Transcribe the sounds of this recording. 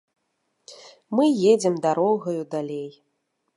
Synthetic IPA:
mɨjed͡zʲɛmd̪aɾɔɣɐjud̪alʲej

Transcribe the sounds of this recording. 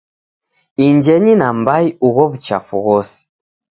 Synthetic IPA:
iɲd͡ʒɛɲinambaiuɣɔβut͡ʃa̰fuɣɔsi̥

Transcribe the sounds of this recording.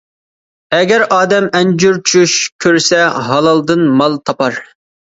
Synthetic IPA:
ɛɡʲɛɾʔɑːd̪ɛmɛnd͡ʒyɾt͡ʃʰuʃkʲʰøɾsɛɦɑlˠɑlˠd̪ɨnmɑlˠt̪ʰɑpɑɾ

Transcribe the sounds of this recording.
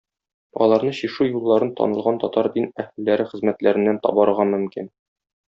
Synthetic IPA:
ɒ̰lˠɑɾnɤɕiʃujulˠːɑɾɤnt̪ɒ̰nɤ̆lˠʁɑnt̪ɒt̪ɑɾd̪inæhɘlːæɾɘχɘ̆zmæt̪læɾɘ̆nːænt̪ɒ̰bɑɾɤʁɑmɵ̆mkin

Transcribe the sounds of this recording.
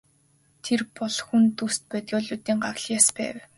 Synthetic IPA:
t̪ʰerpɔɮxunt̪ust̪̚pæːt̪ɡʲɔːɮuːt̪iːŋɢarɮjaːspæ̰ːw

